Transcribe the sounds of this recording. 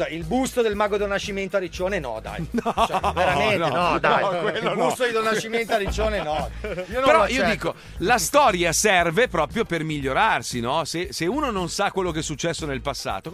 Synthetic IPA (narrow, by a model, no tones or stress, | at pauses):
ilbust̪od̪elmaɡod̪onat͡ʃːiment̪oaɾit͡ʃːoːnenɔ̰d̪a̰jnɔt͡ʃeɾamennenɔd̪ajkwelːobnust̪od̪id̪onat͡ʃːiment̪oaɾit͡ʃːoːnenɔiopeɾɔiːoiːko | last̪ɔːɾjasɛrvepɾɔːpɾjopermiʎːoɾarsinɔseseuːnononsakwelːok̬ɛsːut͡ʃːɛsːonelpasːa̰ːt̪o